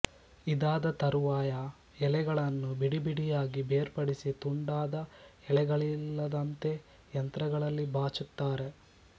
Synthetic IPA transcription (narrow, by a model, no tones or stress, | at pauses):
id̪aːd̪ɐt̪ɐɾuʋaːjɐ | ɛɭɛɡɐɭɐnːubiɽibiɽijaːɡibeːɾpɐɽisit̪uɳɖaːd̪ɐɛɭɛɡɐɭilːɐd̪ɐnt̪e̞ | jɐnt̪ɾɐɡɐɭɐlːibʱaːt͡ʃut̪ːaːɾe̞